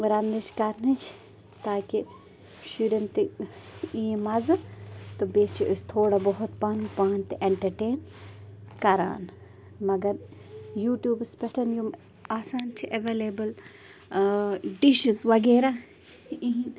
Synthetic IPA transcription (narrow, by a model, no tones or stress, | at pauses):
ɾɐnːit͡ʃʰkɐɾnit͡ʃʰ | t̪aːki | ʃuɾɐnt̪i | imɐzɨt̪obeːt͡ʃʰiʔist̪ʰoːɽabɐɦut̪paːnpaːnt̪iʔeɳʈɐɾʈeːn | kɐɾa̰ːn | mɐɡɐɾjuːʈjuːbspeʈʰɐnjum | aːsaːnt͡ʃʰiʔeʋeːleːbɐl | ɖiʃizʋɐɡeːɾa | iɦĩn